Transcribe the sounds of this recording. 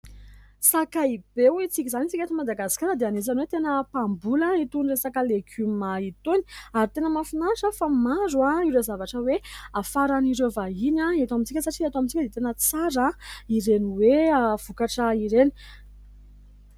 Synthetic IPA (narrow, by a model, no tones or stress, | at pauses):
sakaib̥ewit͡sikʲizanit͡sikʲat̪imad̪aɡasi̥kaɾəd̪eanet͡sanwet̪enəpambulait̪unresakəleɡʲymait̪oni̥aɾit̪enəmafinaʂəfamaɾuaiɾazavaʈ͡ʂəweafaɾaniɾevaɦinãet̪amint͡sikʲəsaʈ͡ʂiat̪oamint͡sikəd̪et̪enət͡saɾaiɾeniweav̥ukaʈ͡ʂəiɾeni̥